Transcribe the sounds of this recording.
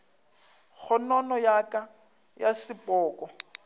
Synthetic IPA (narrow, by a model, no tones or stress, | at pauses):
ɣʊnɔnɔjakʼa | jasɪpʼɔːkʼɔ